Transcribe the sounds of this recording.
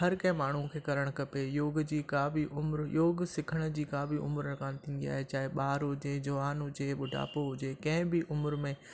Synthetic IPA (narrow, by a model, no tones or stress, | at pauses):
ɦɐɾkɐ̃ɦɪ̃maːɳ̤ũkʰeːkɐɾəɽ̃kɐpejoːɡd͡ʑiːkabʱiʔʊmɾjoːɡsɪkʰəɽ̃ʊd͡ʑiːkãːbʱiʊ̰mɾənkʰãːnt̪ʰĩːnd̪ia̰ːɦet͡ɕaːɦeɓaːɾɦʊd͡ʑeːd͡ʑɐʋaːnɦʊd͡ʑeɓʊɖʱa̰ːpoɦʊd͡ʑeːkɐ̃ɦɪ̃bɪʔʊmɾmẽ